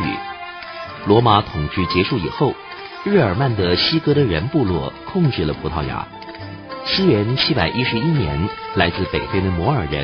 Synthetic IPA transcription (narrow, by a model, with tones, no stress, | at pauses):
y̰˨˩˦ | lwɔ˧˥ma˧˥t̪ʰʊ˨˩ŋʈ͡ʂɻy˥˩t͡ɕjɛ˧˥ʂu˥˩i˨˩xo˥˩ʊ | ɻɻ̩˥˩ə˞˨˩ma˥˩nd̪ə˩ɕi˥kɤ˥ɾə˨ɻə˧˥npu˥˧lwɔ˥˩kʰʊ˥˧ŋʈ͡ʂɻ̩˥˩lə˩pʰu˧˥t̪ʰɑ˥˩ʊja̰˧˥ | sɹ̩˥ɥɛ˧˥nt͡ɕʰi˥pa˨˩ɪʔi˥ʂɻ̩˧˥i˥njɛ̰˧˥nla˧˥ɪt͡sɹ̩˥˩pe˨˩ɪfe˥ɪd̪ə˨mwɔ˧˥ə˞˨˩ɻə̰˧˥n